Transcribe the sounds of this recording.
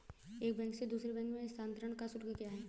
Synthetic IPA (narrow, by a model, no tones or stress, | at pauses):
eːk̚bɛ̃ːŋksed̪uːsɾebɛ̃ːŋkmẽɪst̪ʰãːnt̪əɾəɽ̃kasʊʈɡekijaɦɛː